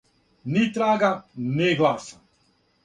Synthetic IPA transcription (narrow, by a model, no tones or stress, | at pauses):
nit̪ɾaːɡaneɡlaːsa